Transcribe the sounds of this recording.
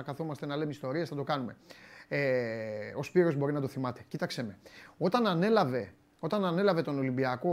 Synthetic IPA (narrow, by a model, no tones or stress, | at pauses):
kɐθo̞mɐst̪enɐlemist̪o̞ɾiɐsθɐt̪o̞kɐnume̞̰eospiɾo̞zbo̞ɾinɐt̪o̞θimɐt̪e̞cit̪ɐkseme̞o̞t̪ɐnɐne̞lɐve̞ | o̞t̪ɐnɐne̞lɐve̞t̪o̞no̞limbiɐko̞